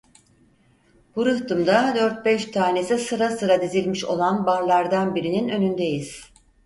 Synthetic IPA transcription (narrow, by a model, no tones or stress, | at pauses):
b̥uɾɯht̪ʰɯmd̪ad̪øɾt̪̚bɛʃt̪ʰaːne̞sisɯɾasɯɾad̪izilʲmiʃo̞lˠanbaɾlˠaɾd̪anbiɾininø̞nynd̪e̞jiz̥